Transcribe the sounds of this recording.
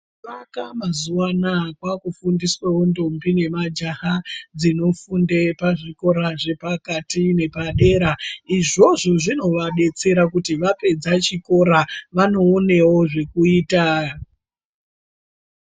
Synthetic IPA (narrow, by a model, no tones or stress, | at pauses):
akamazuwanakwakufundiswewo̞ndo̞mbine̞mad͡ʒahad͡zino̞fundepaʐiko̞ɾaʐe̞pakatine̞paɗe̞ɾaiʐo̞ʐoʐino̞ʋaɗe̞t͡se̞ɾakutiʋape̞d͡zat͡ʃiko̞ɾaʋano̞ːne̞wo̞ʐe̞kuiːta